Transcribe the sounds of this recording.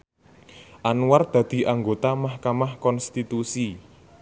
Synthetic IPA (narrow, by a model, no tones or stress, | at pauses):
ʔanward̪̥ä̤d̪̥i̤ʔaŋɡot̪amahkamahkɔnst̪it̪usi